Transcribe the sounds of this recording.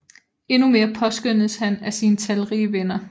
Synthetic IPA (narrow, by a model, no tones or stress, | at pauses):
e̝nume̝ːɐpʰɒ̽sɡ̥øn̰ð̩ˠshænæsiːnət͡sʰæləʁḭːʋenɐ